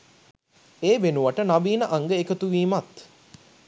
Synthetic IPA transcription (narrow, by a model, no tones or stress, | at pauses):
eːʋenuʋaʈənaʋiːnəʔaŋɡəekət̪uʋiːmat̪